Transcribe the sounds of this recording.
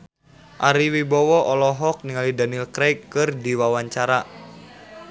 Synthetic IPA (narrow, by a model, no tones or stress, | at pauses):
ʔaɾiwibɔwɔʔɔlɔɦɔk̚niŋalidanilkɾɛjkːɨrdiwawaɲt͡ʃaɾa